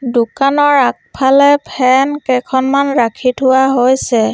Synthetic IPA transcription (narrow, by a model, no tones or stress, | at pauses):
dʊkanɔɹak̚pʰalɛpʰɛnkɛkʰɔnmanɹakʰitʰʊwaɦojsɛ